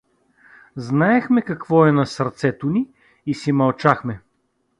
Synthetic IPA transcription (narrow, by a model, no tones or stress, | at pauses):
znaɛxmɛkɐkvɔɛnɐsɐɾt̪sɛt̪ʊniː | simɐlˠt͡ʃaxmɛ